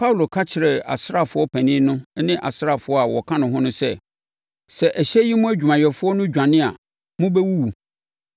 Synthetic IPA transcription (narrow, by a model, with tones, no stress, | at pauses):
pʰa˦u˨lo˨kʰa˦t͡ɕʰɪ˨ɾɛ˨a̰˨sɾa˦˨fʊ˨˦ɔ˦pʰæ̃˨nĩː˦nʊ̃˦nɪ̃˦ʔa̰˨sɾa˦˨fʊ˦ɔ˦a˨wɔ˨kʰã˦nʊ̃˨ɦʊ̃˦nʊ̃˦sɛ̰˦ | sɛ˨ʔæ˨ɕɛ˦ji˦mʊ̃˦æ˦d͡ʑᶣu˨mã˨ɥɛ˨fʊ˦ɔ˦nʊ̃˦d͡ʑᶣã˨nɪ̃˦a̰˨ | mʊ̃˦bɛ˦wu˦wu˨